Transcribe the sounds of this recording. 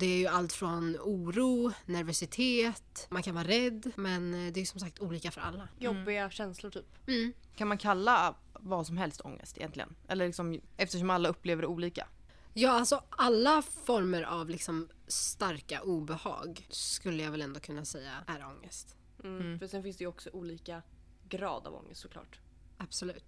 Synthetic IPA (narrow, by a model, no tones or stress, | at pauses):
d̪ɛæɾjɵalt̪fɾɔnuːɾuːnæɾvœsɪt̪ʰeːt̪mankʰanvɑːɾaɾɛd̪ːmɛnd̪ɛːjʏsɔmsak̚t̪uːliːkafœɾa̰lːajɔbːɪɡaɕɛnslʊʈʰyːpm̩ː | kʰanmankʰalːa | vɑːsɔmɦɛlst̪ʰɔ̰ŋːə̰st̪ɪjɛnt̪lɪɡə̰nʔɛ̰lːəɭɪksɔmɛft̪əʂ̬ɔmalːaɵpːleːvəɾɛuːliːka̰ | jɑːalsɔalːafɔɾməɾʔavlɪksɔm | st̪aɾka̰ʔuːbɛhɑ̰ːɡskɵlːəjaːvɛlɛnd̪oːkʰɵnːasɛjːa̰æɾɔŋːəst̪̩ː | fœʂɛnfɪnsd̪ɛjʏɔksɔʔuːliːka | ɡɾɑ̰ːd̪a̰vɔ̰ŋːəst̪sɔklɑ̰ːʈ | ab̥sɔlʉ̟ːt̪